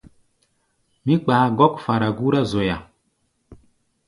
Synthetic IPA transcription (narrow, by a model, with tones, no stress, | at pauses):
mi˦k͡paː˨ɡɔ˦kfa˨ɾa˨ɡu˦ɾa˦zo˨ja˨